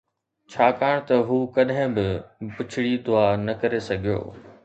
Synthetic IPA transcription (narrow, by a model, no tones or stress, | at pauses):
t͡ɕʰaːkaːɽ̃t̪ɐɦuːkɐɗɦɪ̃bɪpʊt͡ɕʰɪɽid̪ʊaːnɐkɐɾesɐɡʱijo̰ː